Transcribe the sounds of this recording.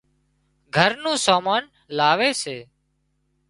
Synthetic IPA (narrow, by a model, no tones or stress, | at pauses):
ɡʱəɾnũːsaːmaːn | laːʋeːseː